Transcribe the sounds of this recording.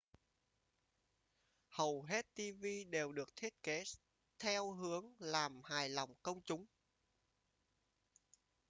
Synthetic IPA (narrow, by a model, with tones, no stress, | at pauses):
hə˨˩wɦe˦˥t̚t̪i˧vi˧ɗe˨˩wɗɨ˨˩ək̚t̪ʰi˦˥ət̚ke˨˦ | t̪ʰɛ˧wɦɨ˨˦əŋlaː˨˩mhaː˨˩jlɔ˨˩wŋ͡mkə˧wŋ͡mt͡ɕʊ˨˦ŋ͡m